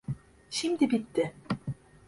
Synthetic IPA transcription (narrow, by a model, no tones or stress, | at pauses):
ʃimd̪ɘbit̪ːɪ